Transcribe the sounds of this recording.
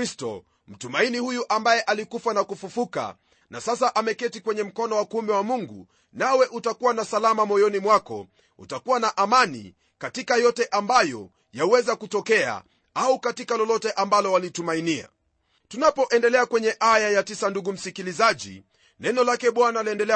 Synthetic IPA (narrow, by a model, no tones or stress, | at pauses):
istɔ̰ | m̩tumainihujuʔambajɛʔalikufanakufufuka̰ | nasasaʔamɛkɛtikwɛɲɛm̩kɔnɔwakumbɛwamuŋɡṵ | nawɛʔutakuwanasalamamɔjɔnimwakɔ̰ | ṵtakuwanaʔamanḭ | katikajɔtɛʔambajɔ | jauwɛzakutɔkɛa̰ | aukatikalɔlɔtɛʔambalɔwalitumainia̰ | tunapɔʔɛndɛlɛakwɛɲɛʔajajatisanduɡum̩sikilizaʄḭ | nɛnɔlakɛɓwanaliɛndɛlɛ